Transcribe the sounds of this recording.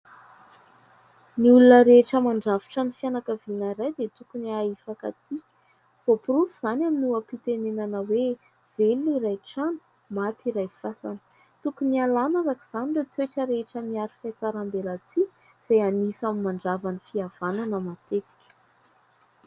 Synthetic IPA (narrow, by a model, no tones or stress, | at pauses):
niulunəɾeʈ͡ʂəmaɳɖ͡ʐaviʈ͡ʂanifianakəvinaɾajd̪et̪ukuniaifakat̪i | v̥opuruvuz̥anaminuəpit̪enenanəwe | v̥eliiɾajʈ͡ʂanu̥ | mat̪iɾajfasanə̥ | t̪ukunialanaɾakiz̥aniɖ͡ʐet̪weʈ͡ʂəɾeʈ͡ʂəmiaɾifat͡saɾambelat͡si | z̥ajanisamimaɳɖ͡ʐavanifiav̥ananəmat̪et̪i̥kʲə̥